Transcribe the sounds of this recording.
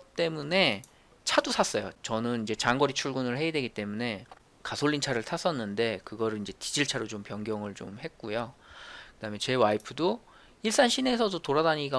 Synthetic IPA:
t͈e̞mune̞ | t͡ɕʰadusʰas͈ʌjo̰t͡ɕʌnɯnid͡ʑe̞t͡ɕaŋɡʌɾit͡ɕʰuɭɡunɯɭhe̞jedwe̞ɡit͈e̞mune̞ | kasʰoɭʎːint͡ɕʰaɾɯɭtʰas͈ʌnːɯnde̞kɯɡʌɾɯɭind͡ʑe̞tid͡ʑiɭt͡ɕʰaɾot͡ɕompjʌŋɡjʌŋɯɭt͡ɕomhe̞k̚k͈ujokɯd̥amjet͡ɕe̞waipʰɯdo | iɭs͈anɕʰine̞sʰʌdotoɾadaɲiɡa

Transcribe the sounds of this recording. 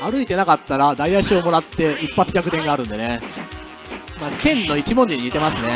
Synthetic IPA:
aɾɯ̟it̪e̞nakat̪ːaɾad̪aiaɕio̞mo̞ɾat̪ːe̞ipːat͡sɨ̥kʲakɯ̟t̪ẽ̞ŋɡaːɾɯ̟̃nd̪e̞ne̞ | maːkẽ̞nːo̞it͡ɕimõ̞ɲ̟d͡ʑiɲ̟iɲit̪e̞masɨne̞

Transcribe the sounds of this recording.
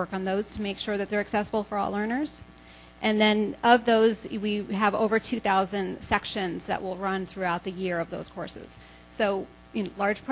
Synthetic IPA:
ɜ˞kn̩ðoʊz̥tʰɨmeɪkʃʊɹðɨt̪̚ðə˞ɨksɛsəbl̩ˠfə˞ɔ̰lˠɜ̃˞nə˞z̥ | ʔɨ̃nðɨ̃nʌvðoʊzwiəvo̰ʊvə˞tʰʉθaʊzɨ̃nsɛkʃɨ̃nzðɨ̰ʔwʔɪlˠɹʌ̃nθɹʉaʊt̪̚ðɨjɪɹʌvðo̰ʊz̥kʰɔ̰ɹsɪ̰z̥ | soʊ | jɨlɑɹd̥ʒ̥pʰ

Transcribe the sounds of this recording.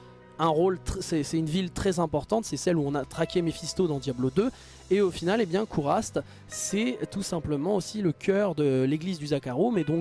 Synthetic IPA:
ɛ̃ʁolt̪sɛsɛynvilt̪χɛzɛ̃pɔʁt̪ɑ̃t̪sɛsɛluɔ̃nat̪χakʲemefist̪od̪ɑ̃d̪jablod̪ø | eofinalebjɛ̃kʰuʁast̪ | sɛt̪usɛ̃pləmɑ̃osiləkʲʰœʁd̪əleɡlizd̪yzakaʁomɛd̪ɔ̃k

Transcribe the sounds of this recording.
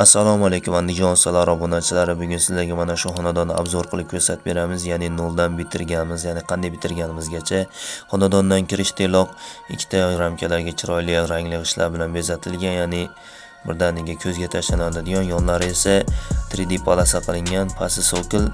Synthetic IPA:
asːalˠɒmalˠejkʲʰʊmand̪ɪd͡ʒɒnsalˠaɾɒbonat͡ʃʰɪlaɾɪbʊɡʲʊnsɪzlaɡʲamanaʃʊhɒnad̪ɒnːa̰bzɒɾqʰɨlˠɪp̚kʲʰɵɾsat̪̚be̞ɾamɪzjanɪnolˠd̪anbɪt̪ʰɪɾɡʲanmɪzjanɪqʰɑnd̪ajbɪt̪ʰɪɾɡʲanɪmɪzɡʲat͡ʃʰahɒnad̪ɒnd̪ankʲʰɪɾɪʃt̪ʰelˠɒq̚ɪkʲʰːɪ̥t̪ʰaɾamkʲʰalaɾɡʲat͡ʃʰɪɾɒjlɪɾaŋlɪqɨʃla̰ɾbɪlanbezat̪ʰɪlɡʲanjaːnɪ | bɪɾd̪anɪɡʲakʲʰɵzɡʲat̪ʰaʃlanad̪ɪd̪ɪɡɒnjɒnlaɾɪe̞sat̪ʰɾɪd̪ipʰalˠasaqʰɨlˠɪŋʲanpʰasɪsokʲɪl

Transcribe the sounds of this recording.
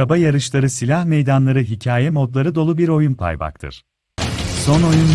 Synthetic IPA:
abajaɾɯʃlˠaɾɯsilʲahme̞jd̪anlˠaɾɯɦicʰaːjɛmo̞d̪lˠaɾɯd̪o̞lˠubiɾo̞junpʰa̰jba̰k̚t̪ʰɯ̰ɾ̥ | so̞no̞jun

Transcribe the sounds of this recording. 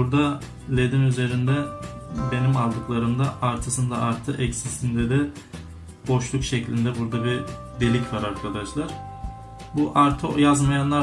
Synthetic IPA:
buɾd̪a | lʲe̞d̪inyze̞ɾind̪ɛbe̞nimalˠd̪ɯklˠaɾɯmd̪aaɾt̪ʰɯsɯnd̪aaɾt̪ʰɯʔɛcsisind̪ɛd̪ɛ | bo̞ʃlˠukʃeclʲind̪ɛbuɾd̪abi | d̪elʲicvaɾaɾkʰad̪aʃlˠaɾ̥ | buʔaɾt̪ʰɯjazmajanlˠa

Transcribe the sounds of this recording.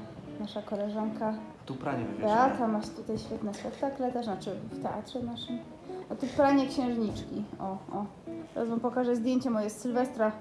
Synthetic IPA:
naʂakɔlɛʐaŋkat̪upɾa̰ɲɛ̰bɛat̪amːaʂt̪ut̪ajɕfʲɛt̪nɛspɛkt̪aklɛt̪aʂnat͡ʂɘft̪ɛʔa̰t̪ʂɛnaʂɘm | ʔɔt̪upɾaɲɛkɕɛ̃w̃ʐɲit͡ʂkʲiɔɔ | ɾa̰zvɔmpɔkaʐɛzd̪ʲjeɲt͡ɕɛmɔjɛssɘlvɛst̪ɾa

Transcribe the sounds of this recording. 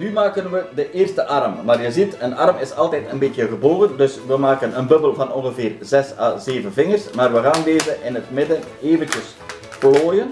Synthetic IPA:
nymaːkənʋədəʔɪːrstəʔɑrmmaːrjəzitənɑrmɪsɑlˠtɛːtənbetjəɣəboːɣəndɵsʋəmaːkənənbɵbəlˠvɑnɔnɣəvɪːrzɛsa̰ːzeːvənvɪŋərsmaːrʋəɣaːndeːzəʔɪnɦətmɪdən | eːvəncəs | ploːjən

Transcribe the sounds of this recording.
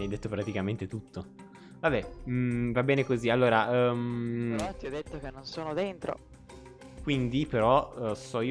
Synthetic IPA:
ajd̪et̪ːopɾat̪ikament̪et̪ut̪ʰːo | vabɛvabːɛːnekozialːoːɾaʔmt̪jɔd̪ːet̪ːok̟enːonsoːnod̪ent̪ɾo̰ | kwind̪ipeɾɔsɔi

